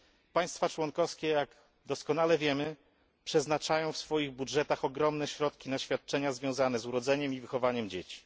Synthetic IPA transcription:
paj̃st̪fat͡ʂwɔnkɔfskʲɛjaɡ | d̪ɔskɔnalɛvʲjɛmɘ | pʂɛznat͡ʂajɔ̃w̃fsfɔjiɣbudʐɛt̪axɔɡɾɔmnɛɕɾɔt̪kʲinaɕfʲjat̪̚t͡ʂɛɲazvʲjɔ̃w̃zanɛzuɾɔd̪zɛɲɛmivɘxɔvaɲɛmd͡ʑet͡ɕi̥

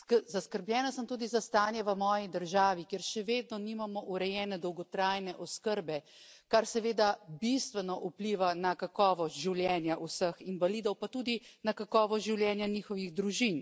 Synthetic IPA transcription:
zaskəɾbljɛːnasəmt̪uːd̪izast̪aːnjɛʋəmɔːjid̪əɾʒaːʋikjeɾʃɛʋeːd̪nɔnimamɔʔuɾɛjɛːnɛd̪ɔwɡɔt̪ɾaːjnɛʔɔskəɾbɛ | kaɾsɛʋeːd̪abist̪ʋɛnɔʔupliʋanakakɔːʋɔst̪ʒiwljɛːnjaʔusəxinʋaliːd̪ɔwpat̪uːd̪inakakɔːʋɔsʒiwljɛːnjaniːxɔʋiɣd̪ɾuʒin

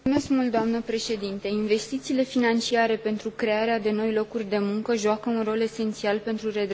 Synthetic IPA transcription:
me̞skmult̪d̪oamnəpɾe̞ʃe̞d̪int̪einve̞st̪it̪siːle̞finant͡ʃiaɾe̞pe̞nt̪ɾukɾe̞aɾead̪e̞no̞jlo̞kurʲd̪e̞muŋkəʒoakəunro̞le̞se̞nt̪sialpe̞nt̪ɾure̞d̪

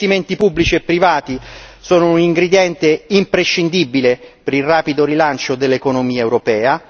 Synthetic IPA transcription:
t̪iment̪ipubːlit͡ʃiepːɾivaːt̪isoːnouniŋɡɾed̪jɛnt̪eimpɾeʃːind̪ibːilepeɾilrːaːpid̪oɾilant͡ʃod̪elːekonomiːaewɾopɛːa

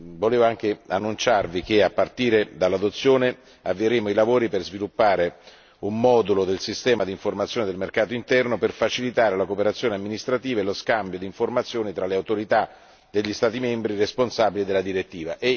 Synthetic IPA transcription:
voleːvoaŋk̟eanːunt͡ʃarvik̟eapːart̪iːɾed̪alːad̪ot̪sːjoːne | avːieɾeːmoilavoːɾiperzvilupːaːɾe | umːɔd̪ulod̪elsist̪ɛːmad̪iɱformat̪sjoːned̪elmerkaːt̪oint̪ɛrnoperfat͡ʃilit̪aːɾelakopeɾat̪sjoːneamːinist̪ɾat̪iːvaeloskambjod̪iɱformat̪sːjoːnit̪ɾaleawt̪oɾit̪a | d̪eʎːist̪aːt̪imembɾiresponsabilid̪elːad̪iɾet̪ːiːvaʔe

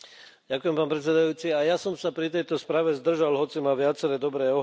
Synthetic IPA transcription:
ɟakujɛmpaːnpɾɛt̪t͡sɛd̪ajuːt͡siajasɔmsapɾit̪ɛjt̪ɔspɾaːʋɛzd̪r̩ʒalɦɔt͡simaʋɪat͡sɛɾɛːd̪ɔbɾɛːɔɦ

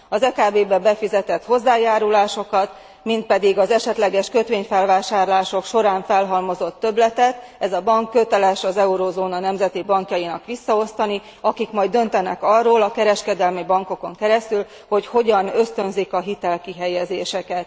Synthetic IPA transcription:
ɒzɛkaːbeːbɛbɛfizɛt̪ɛt̪ho̞zːaːjaːɾulaːʃo̞kɒt̪ | mint̪̚pɛd̪iɡɒzɛʃɛt̪lɛɡɛʃkøt̪ʋeːɲfɛlvaːʃaːrlaːʃo̞kʃo̞ɾaːɱfɛlɦɒlmo̞zo̞t̪ːø̞blɛt̪ɛt̪ɛzɒbɒŋkːø̞t̪ɛlɛʃɒzɛuɾozoːnɒnɛmzɛt̪ibɒŋkjɒjinɒ̰kʋisːɒo̞st̪ɒni | ɒkikmɒjd̪ø̞nt̪ɛnɛ̰kɒroːlɒkɛɾɛʃkɛd̪ɛlmibɒŋko̞ko̞ŋkɛɾɛst̪yl | ho̞cho̞ɟɒnø̞st̪ø̞nzikɒɦit̪ɛlkiɦɛjɛzeːʃɛkɛt̪

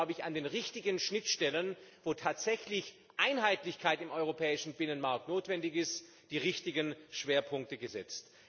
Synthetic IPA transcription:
ʊbəɪçandeːnʁɪçtɪɡənʃnɪtʃtɛlənvoːtʰaːtz̥ɛçlɪç | ʔaɪnɦaɪtlɪçkʰaɪtɪmʔɔʏʁopʰɛːɪʃn̩bɪnənmaɐk̚tnoːtv̥ɛndɪçɪst | d̥iːʁɪçtɪɡənʃv̥eːɐpʰʊŋk̚təɡəzɛt͡st

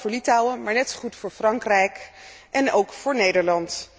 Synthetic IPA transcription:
vʊːɹlitawəmaːɹnɛtχutfʊːɹfrɑŋkrɛjkʔɛnowkfʊːɹnejdəɹlɑnt

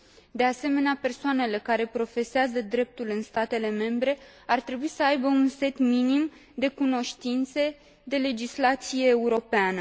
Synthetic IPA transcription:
d̪e̞ase̞me̞neapersoane̞le̞kaɾe̞pɾo̞fe̞seazəd̪ɾe̞p̚t̪ulɨnst̪at̪e̞le̞me̞mbɾe̞ | art̪ɾe̞buisəajbəunse̞t̪minim | d̪e̞kuno̞ʃt̪int̪se | d̪e̞le̞d͡ʒislat̪sije̞ːuɾo̞peanə

